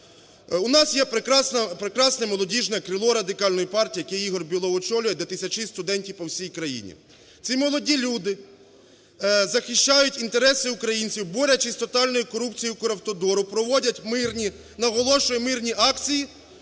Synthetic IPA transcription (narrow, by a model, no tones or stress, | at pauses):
unɑsjɛpɾɪkɾɑsnɐpɾekɾɑsnɛmɔlˠɔdʲiʒnɛkɾɪlˠɔɾɐd̪ɪkɑlʲnɔjipɑrtʲiːjɐkɛjiɦɔrbʲilˠɔɔt͡ʃɔlʲʊjɛd̪ʲet̪ɪsʲɐt͡ʃɪst̪ʊd̪ɛnʲtʲiwpɔwsʲijkɾɐjḭnʲḭ | t̪sʲimɔlˠɔdʲilʲud̪ɪ | zɐxɪʃt͡ʃajʊtʲint̪eɾɛsɪʊkɾɐjinʲt͡sʲiwbɔɾʲɐt͡ʃizʲt̪ɔt̪ɑlʲnɔjikɔɾupt͡sʲijiwkʊɾɐwt̪ɔd̪ɔɾʊpɾɔʋɔdʲɐtʲmɪrnʲi | nɐɦɔlˠɔʃɔjimɪrnʲiʔɑkt͡sʲiji